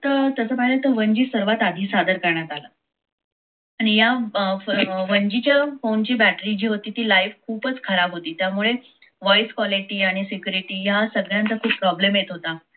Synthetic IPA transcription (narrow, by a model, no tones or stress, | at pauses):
t̪əɾt̪əsəpaɦilət̪əʋəɲd͡ʑiːsəɾʋat̪ad̪ʱiːsad̪əɾkəɾɳjat̪ala | aɽ̃ijafʋəɲd͡ʑit͡ɕjafont͡ɕiːbæʈɾit͡ɕiːɦot̪iːt̪iːlajfkʰuːpət͡skʰəɾabɦot̪iːt̪jamuɭe | ʋɔjskʋɔliʈiːaɽ̃isikjuɾiʈiːjasəɡɭjãnt̪əkʰuːpːpɾɔblemjet̪ɦot̪a